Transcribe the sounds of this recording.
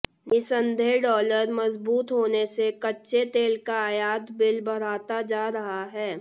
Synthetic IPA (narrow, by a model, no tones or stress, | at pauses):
nɪsə̃nd̪ʱeɖɔːləɾmɐzbuːt̪ɦoːnesekɐtːʃet̪eːlkaaːjaːt̪bɪlbʱɐɽ̤aːt̪ad͡ʒaːɾɐɦaɦɛː